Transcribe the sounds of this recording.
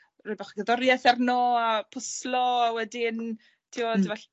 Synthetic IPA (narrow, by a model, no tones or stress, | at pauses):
rojbaχaɡəðɔɾjɛθɛrnɔːapʰʊslɔawɛdɪn | tʰiɔdvaɬ